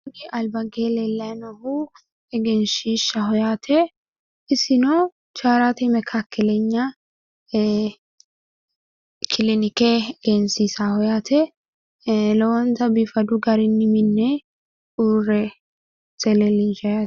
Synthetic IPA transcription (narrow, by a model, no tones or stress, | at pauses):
dɪʔɐlbɐɡelɛlːɐnɔhu | ɛɡɛnʃiːʃːɐɦɔjaːt̪ʰɛ | ɪsɪnɔ | t͡ʃaːɾat̪ɛmɛkʰakːɛlɛɲːɐ | kʰɪlɪnɪkɛɡ̥ɛnsisahɔjaːt̪ʰɛ | lɔwɔnt̪ɐbifɐd̪ʊɡɐɾɪnːɪmɪnːɛ | uːrɛ | t͡sɛlɛlɪnʃɐja